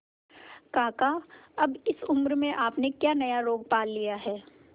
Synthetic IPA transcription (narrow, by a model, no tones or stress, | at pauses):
kaːkaɐbɪsʊmɾmẽʔaːpnekjaːnɐjaɾoːɡ̚paːlːijaɦɛː